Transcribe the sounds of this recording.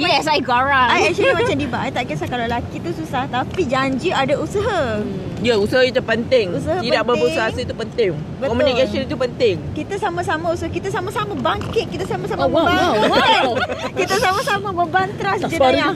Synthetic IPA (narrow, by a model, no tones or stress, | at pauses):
iɛsaiɡaɾaajɛsəimãt͡ʃamdibaʔajt̪aʔkisahkalalakit̪ususaht̪apid͡ʒaɲd͡ʒiadausəɦa | jausəɦait̪əpənt̪ɪŋusahaiədak̚bəəusaɦasəit̪upənt̪ɪŋ | bətkɔmunikasənit̪upənt̪ɪŋkit̪asamãsamãusəakit̪asamãsamãbaŋkɪt̪̚kit̪asamãsamabəba | kit̪asamãsamãbəbant̪əɾasd͡ʒədəɾa